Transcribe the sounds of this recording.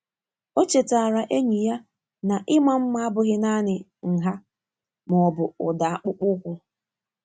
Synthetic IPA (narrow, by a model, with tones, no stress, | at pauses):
o˦t͡ʃe˨ta˨ɾa˨ʔe˦ɲi˨ja˦ | na˨ʔɪ˦ma˨m̩˦ma˦a˦bʊ˨ɣɪ˦na˦nɪ˨ŋ̩˨ɦa˦ | m˨ɔ˨bʊ˨ʊ˨da˨a˨k͡pʊ˦k͡pʊ˦kʷʊ˦